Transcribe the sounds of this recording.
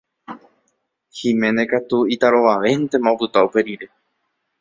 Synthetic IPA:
hĩmẽne̞kat̪uit̪aɾo̞ʋaʋe̞ent̪ẽ̞maopɨt̪aupe̞ɾiɾe̞

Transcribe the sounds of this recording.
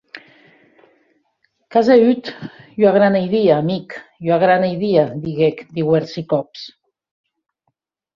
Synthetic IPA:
kazeyt̪joaɣɾanejðiaːmikjoaɣɾanejðiad̪iɣekd̪iweɾsikɔps

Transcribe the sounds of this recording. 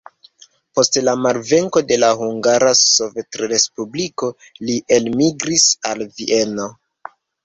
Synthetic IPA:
po̞stlamaɾve̞ŋko̞de̞laɦuŋɡaɾaso̞vetɾɾe̞spubliko̞ | liʔe̞lmiɡɾisalviʔe̞no̞

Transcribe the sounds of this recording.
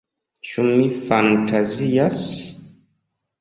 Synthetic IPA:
t͡ʃumifantʰazijas

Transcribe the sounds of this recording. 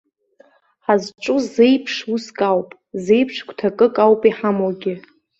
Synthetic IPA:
ħazʈ͡ʂʼʊze̞jpʰʂuskʼawpʼ | ze̞jpʰʂkʷʰʼtʰakʼɨkʼawpʼiħamoɡʲɪ

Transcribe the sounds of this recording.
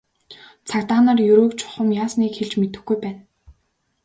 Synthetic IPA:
t͡sʰakt̪aːnăːrjɵɾoːkt͡ɕʰʊ̥χə̆mjaːsniːkxeɮt͡ɕmet̪ɘ̆xɡujpæːn

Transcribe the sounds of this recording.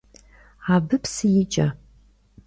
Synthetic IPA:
abɨpʰsjit͡ʃʼa

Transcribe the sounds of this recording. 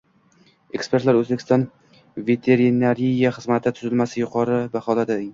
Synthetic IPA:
e̞kspeɾt̪laɾɵzbekʰʲɪst̪ɒn | ve̞t̪ʰe̞ɾinaɾijaχɨzmat̪ʰɪt̪ʰʊzɪlmasɪjʊqʰɒɾɪbaχɒlad̪ɪɪ

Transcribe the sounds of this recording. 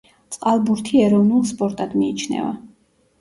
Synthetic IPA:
t̪sʼqʼalˠbuɾt̪ʰiɛɾɔvnulˠspʼɔɾt̪ʼad̪miːt͡ʃʰnɛ̰va̰

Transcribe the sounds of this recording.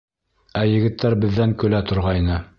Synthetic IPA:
æjɘ̆ɡɘ̆t̪ʰːæɾbɘ̆ðːæŋkɵ̆læt̪ŏɾʁɑjnɤ

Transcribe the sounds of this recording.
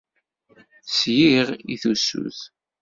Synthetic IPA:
sjiʁiθusṵθ

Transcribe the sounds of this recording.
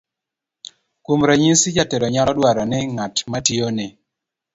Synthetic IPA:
kumɾaɲisid͡ʒatɛɾɔɲalɔdwaɾɔnɪŋatmationɪ

